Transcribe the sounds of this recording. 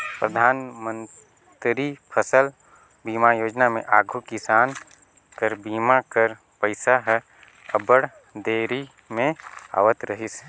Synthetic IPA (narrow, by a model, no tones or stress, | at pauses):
pɾəd̪ʱaːnmə̃n | t̪ɾipʰəsəl | biːmajoːd͡ʒnamḛ̃ʔaːɡʱukɪsaːn | kəɾbiːmakəɾ | pəɪsaɦ | əbəɽ | d̪eːɾi | mẽa̰ːʋət̪ɾəɦɪs